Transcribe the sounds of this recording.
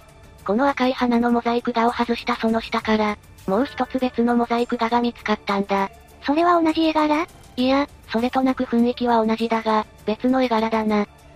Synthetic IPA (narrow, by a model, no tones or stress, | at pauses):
ko̞no̞akaihanano̞mo̞zaikɯ̟d̪ao̞hazɨɕi̥t̪aso̞no̞ɕi̥t̪akaɾa | mo̞ːçi̥t̪o̞t͡sɨbe̞t͡sɨno̞mo̞zaikɯ̟d̪aɡamʲit͡sɨ̥kat̪ːãnd̪a | so̞ɾe̞βao̞naʑie̞ɡaɾa | ia | so̞ɾe̞t̪o̞nakɯ̟ɸɯ̟̃ɰ̃ekʲiβao̞naʑid̪aɡa | b̥e̞t͡sɨno̞e̞ɡaɾad̪ana